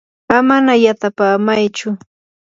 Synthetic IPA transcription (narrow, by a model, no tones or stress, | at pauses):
amanajat̪apaːmajt͡ʃʊ